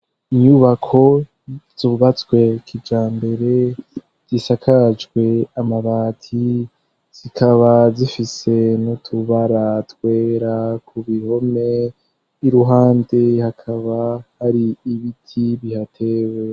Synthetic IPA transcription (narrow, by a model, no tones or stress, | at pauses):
iɲuβakʰo̞ | z̥oβat͡swe̞kʰid͡ʒaːmbe̞ɾe̞ | z̥isakʰad͡ʒɡwe̞amaβaːtʰi | z̥ikʰaβazifise̞notʰuβaɾatwe̞ːɾakʰuβiho̞me | iɾuɦaːnde̞hakʰaβahaɾiːβitʰiβihatʰe̞we̞